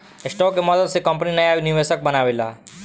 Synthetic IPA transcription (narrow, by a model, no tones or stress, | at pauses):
ɪsʈɔːkemɔd̪əd̪sekəmpninəjaʋiniʋesək̚bənaːʋela̰ː